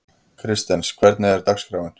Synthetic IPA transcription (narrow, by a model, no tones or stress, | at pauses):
kʰɾɪst̪ɛnskʰvɛɾt̪nɪɛɾt̪akskɾaːwɪn